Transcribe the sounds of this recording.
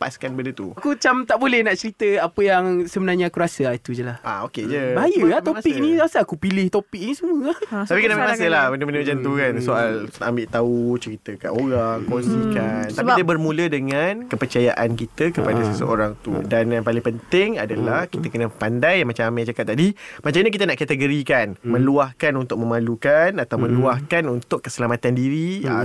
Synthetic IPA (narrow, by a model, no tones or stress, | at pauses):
pa̰skanbəndət̪uakut͡ʃamt̪aʔbolɛhnaʔt͡ʃəɾit̪əapəjaŋsəbənarɲaakuɾasəait̪ud͡ʒəlahʔa̰oked͡ʒəbaajəat̪opik̚nĩɾasaakupilɪht̪opik̚nĩsəmũəat̪apikənambiʔmasəlahbəndəbəndəmad͡ʒant̪ukansoʔalaʔambɪʔt̪aut͡ʃəɾit̪əka̰ʔoɾaŋkonsikant̪aidiəbərmũlədəŋankəpərt͡ʃajaʔankit̪əkəpadasəsə̰o̰ɾaŋt̪ṵdanjaŋpalɪŋpənt̪ɪŋadəlahkit̪akənəpandajamat͡ʃamamad͡ʒakat̪̚ːadimat͡ʃamɲakit̪anaʔkat̪əɡəɾikanmə̃luahkanunt̪ʊk̚mə̃malukanat̪awmə̃luahkanunt̪ʊʔkːəsəlamat̪andiɾi